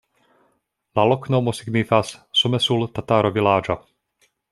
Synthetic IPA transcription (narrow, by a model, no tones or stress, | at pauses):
lalɔknomɔsiɡnifassɔmɛsult̪at̪aɾɔvilaːd͡ʒa